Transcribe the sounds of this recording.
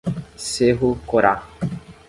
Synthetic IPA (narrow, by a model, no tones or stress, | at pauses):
seɦukoɾa